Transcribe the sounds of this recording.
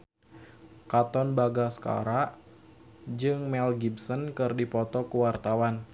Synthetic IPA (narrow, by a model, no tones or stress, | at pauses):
kat̪ɔnbaɡaska̰ɾaʔ | d͡ʒɨŋmɛlɡibsɔnkɨrdipɔt̪ɔkəwart̪awan